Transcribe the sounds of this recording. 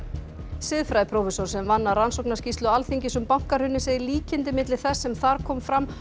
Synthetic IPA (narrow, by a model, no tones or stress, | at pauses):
sɪðfɾajpʰɾowfɛsɔɾ̥sɛmvanːaransowknascist̪lʏalθiɲcɪsʏmpawŋ̥kaɾ̥hʏnːɪseːjðɪliːcɪnt̪ɪmɪt̪lɪ̥θɛsːɛmθaɾkʰɔːmfɾam